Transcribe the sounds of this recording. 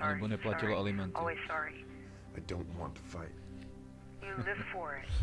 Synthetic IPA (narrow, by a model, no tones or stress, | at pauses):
ə̃nãbʌ̃nəpʰlat͡ʃəlˠɔʔəlˠimʌ̃ntɔlˠwiz̥sɑɹi | aɪdõʊ̃nʔwɑ̰̃ntʰə̥faɪt̚ | jɨlɪv̥fə˞ɪt̚